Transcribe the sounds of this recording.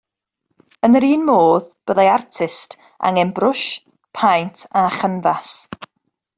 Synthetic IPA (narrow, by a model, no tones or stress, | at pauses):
ənɾiːnmoːðb̥əðajartʰɪst | ʔa̰ŋɛmbrʊʃ | pʰajntʰaχənvas